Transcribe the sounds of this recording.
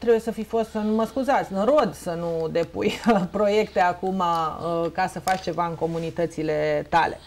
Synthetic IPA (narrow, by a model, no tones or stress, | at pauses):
t̪ɾe̞bujesəfifo̞st̪sənuməskuzat̪sʲɨnɾo̞d̪sənud̪e̞pṵjpɾo̞je̞kt̪e̞akumakasəfat͡ʃt͡ʃe̞vaɨŋko̞munit̪ət̪sile̞t̪a̰le̞̰